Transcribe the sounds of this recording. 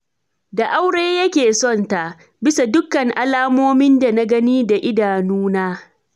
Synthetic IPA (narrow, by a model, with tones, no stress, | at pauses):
da˨ʔa˦wɽeː˦jɐ˦kʲeː˨sɔ˦˨nta˨ʔ | bɪ˦sa˨dʊ˦kːɐ˨ŋʔa˦laː˦moː˦mɪ˦nda˨na˦ɡɐ˦niː˦da˨ʔɪ˦daː˨nuː˦naː˦